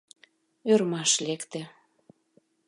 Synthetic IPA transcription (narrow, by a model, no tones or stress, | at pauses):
øɾmɑʃlekt̪e